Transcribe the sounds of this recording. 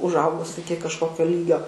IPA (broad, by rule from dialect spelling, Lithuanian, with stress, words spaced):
ʊʒˈɐʊɡʊs ˈɪkʲɪ kɐʃˈkoːkʲoː ˈlʲiːɡʲoː